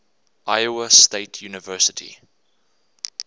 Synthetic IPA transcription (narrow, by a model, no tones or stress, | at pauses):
ʔajəwəsteɪtʰjuːnəvɜːsətʰḭ